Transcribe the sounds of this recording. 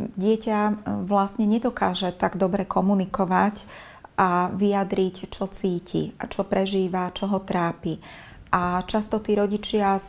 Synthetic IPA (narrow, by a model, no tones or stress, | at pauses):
ɟɪɛcaʋlast̪ɲɛɲɛd̪ɔkaːʒɛt̪aɡd̪ɔbɾɛkɔmunikɔʋac | aʋijad̪ɾict͡ʃɔt͡siːcʰḭt͡ʃɔpɾɛʒiːʋat͡ʃɔɦɔt̪ɾaːpi | ʔat͡ʃast̪ɔt̪iːɾɔɟit͡ʃɪa